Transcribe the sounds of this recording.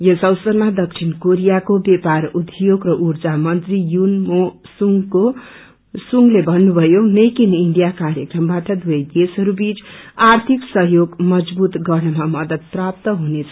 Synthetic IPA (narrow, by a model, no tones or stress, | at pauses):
jʌsʌwsʌrmad̪ʌk̚t͡ʃʰinkoɾijakobeparud̪joɡrʌʔurd͡zamʌnt̪rijunmosuŋɡko | suŋɡlebʱʌnːubʱʌjonejkiniɳɖijakaɾjekrʌmbaʈʌd̪uʌjd̪esɦʌɾubit͡sart̪ʰiksʌɦjoɡmʌd͡zbut̪ɡʌrnʌmamʌd̪ʌd̪̚prap̚t̪ʌɦunet͡sʰʌ